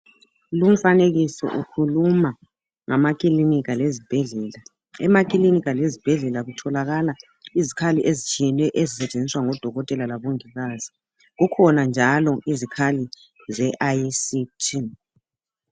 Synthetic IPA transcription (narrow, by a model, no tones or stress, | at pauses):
lum̩faneɣisɔ̰ʔukʰuluma | ŋamakʼilinikalezib̥ʱɛɮɛːla | ɛmakʼilinikalezib̥ʱɛɮɛlaɣutʰɔlaɣala | izikʰaliʔezit͡ʃʼiɛnwɛʔezisɛt͡ʃʼend͡zʱiswaŋɔd̥ʱɔɣɔtʼɛlalaβoŋiɣaːzi | ɣukʰɔnand͡ʒʱalɔizikʰali | zɛʔasitʰi